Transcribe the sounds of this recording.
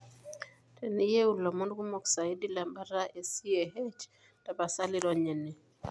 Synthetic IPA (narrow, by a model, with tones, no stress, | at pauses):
tʰɛ˨ni˦je˦u˨lɔ˨mɔ˦ndɡu˦mo˨ksa˨i˦di˦la˨mba˦ɾa˦ʔe˨si˦e˨he˦t͡ʃ | ta˨ba˨sa˦li˦ɾɔ˦ɲɛ˨ni˨